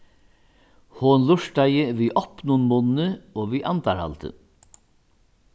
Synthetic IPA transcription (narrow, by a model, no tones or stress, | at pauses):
hoːnlʊʂɖæɪəʋiːʔɔpnuːnmʊːnn̩əoːʋiːʔɑnt̪ʰɑɾhɑ̰lt̪ʰə̰